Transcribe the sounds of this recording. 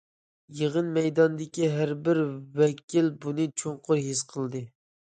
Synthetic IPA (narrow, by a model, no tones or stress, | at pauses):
jeʁənmɛjd̪ɑnd̪ɪkʲiɦæɾbɪɾwɛkʲʰilbunɨt͡ʃʰoɴqʰʊɾɦɪsqʰəlˠd̪ɨ